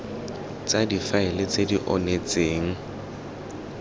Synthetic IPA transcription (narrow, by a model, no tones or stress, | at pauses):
t͡sʼadifaɪlɪt͡sʼediʔɔ̰net͡sʼeːŋ̩